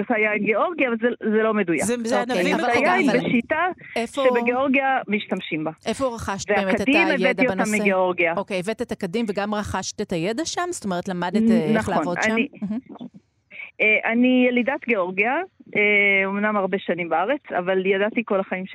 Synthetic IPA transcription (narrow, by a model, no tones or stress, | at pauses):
tajaimɡeo̞ʁɡiaːvalzezelo̞meduja̰kzznavaljabeʃitaefoʃebeɡeoʁɡiamiʃtamʃimbaʔefoʁaχaʃtveaemeatedimejvet̪daijoenoasmːiɡeo̞ʁɡiaokejevetetakadimveɡamʁaχaʃtetajedaʃamz̥t̪omeʁet̪lamadetːnaχlaonoa̰aniɦ̩ | eʔanijelidat̪ɡeo̞ʁɡiaʔeomnamaʁbeʃanimbaaʁet͡sa̰valjadat̪iko̞laχaimʃe